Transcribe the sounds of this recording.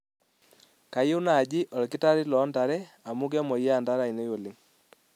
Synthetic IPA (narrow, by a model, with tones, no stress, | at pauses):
ka˨je˦u˦na˨d͡ʒɪ˦ʔɔ˨lkɪ˦ta˦ɾɪ˦lɔ˨˦nda˨ɾɛ˦ | a˨mu˦k̬ɛ˦mɔ˨i˦a˦˨nda˦ɾa˨i˨ne˦jo˨lɪ˨ŋ